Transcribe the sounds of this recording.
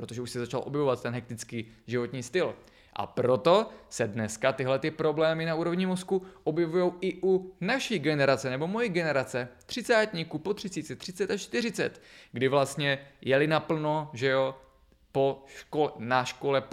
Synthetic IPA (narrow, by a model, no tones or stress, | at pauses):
pɾot̪oʒɛuʃsɛzat͡ʃalʔo̞bjɛvovat̪̚t̪ːɛnɦɛk̚t̪ɪt͡skiː | ʒɪvo̞t̪ɲiːst̪ɪl | ʔa̰pɾo̞t̪o̞sɛdnɛskat̪ɪɦlɛt̪ɪpɾo̞blɛːmɪnauːɾo̞vɲɪmo̞skuʔobjɛvujo̞wɪʔunaʃiːɡɛnɛɾat͡sɛnɛbo̞mo̞jiɡɛnɛɾat͡sɛt̪r̝̥ɪt͡saːt̪ɲiːkupo̞t̪r̥ɪt͡siːt͡sɛt̪r̝̥ɪt͡sɛt̪aʃt͡ʃt̪ɪrɪt͡sɛt̪ɡdɪvlast̪ɲɛjɛlɪnapl̩noʒɛo̞ | poʃkolnaʃkolɛ